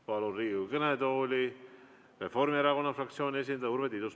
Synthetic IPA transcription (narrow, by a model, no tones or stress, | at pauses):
pɑluriːukɤned̪oːlʲi | re̞fo̞rmieɾɑko̞nːɑfrɑkt̪sio̞ːnʲies̬ʲind̪ɑuɾvet̪id̪us